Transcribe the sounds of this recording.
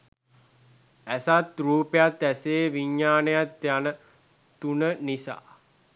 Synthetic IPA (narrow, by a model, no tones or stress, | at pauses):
æsat̪ruːpejat̪æseːʋiɲːaːnəjat̪janə | t̪unənisa̰ː